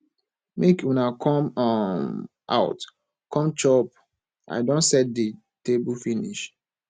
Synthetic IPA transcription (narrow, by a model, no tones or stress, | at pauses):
mekwɛ̃nakʰɔ̃mɔm | ʔa̰ʊt | kʰɔ̃mt͡ʃɔp̚ | ʔa̰ɪdõntsɛt̚di | tebulfĩnḭʃ